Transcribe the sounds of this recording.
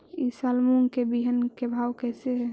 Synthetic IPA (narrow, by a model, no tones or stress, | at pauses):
isəlmuŋkebiɦənkebʱawkɛseɦ